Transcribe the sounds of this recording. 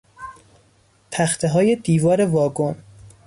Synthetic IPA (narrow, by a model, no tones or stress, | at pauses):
p̪ʰæxt̪ʰeɦɒːje̞d̪iːvɒːɾe̞vɒːɡon